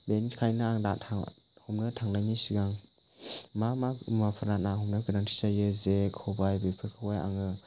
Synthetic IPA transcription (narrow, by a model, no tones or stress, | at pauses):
benikʰajnaaŋdatʰa | hɔmnɯtʰaŋnajnisiɡaŋ | mamamapʰɯɾatnahɔmnɯkɯnaŋtʰi̥sajɯzekʰɯbajbepʰɯɾkʰɯwaja̰ŋɯ